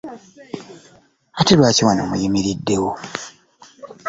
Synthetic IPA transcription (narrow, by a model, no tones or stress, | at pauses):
atelwaːciwano̰ːmujimiɾidːe̞wo